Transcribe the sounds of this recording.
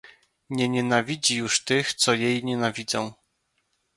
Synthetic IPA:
ɲɛɲɛnavʲid͡ʑijuʂt̪ɘxt̪sɔjejɲɛnavʲid̪zɔ̃w̃

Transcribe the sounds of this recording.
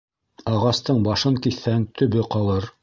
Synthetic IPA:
ɑʁɑst̪ɤɴbɑʃɤŋkiθːæŋt̪ʰɵ̆βɘqɑlˠɤɾ

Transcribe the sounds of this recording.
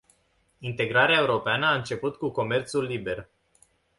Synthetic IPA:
int̪e̞ɡɾaɾeae̞uɾo̞peanəaɨnt͡ʃe̞put̪kuko̞me̞rt̪sulːibe̞r

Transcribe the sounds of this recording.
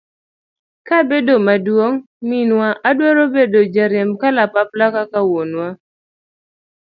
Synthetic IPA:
kabedomadwoŋ | minwaʔadwɔɾobedod͡ʒaɾɛmkalapaplakakawonwa

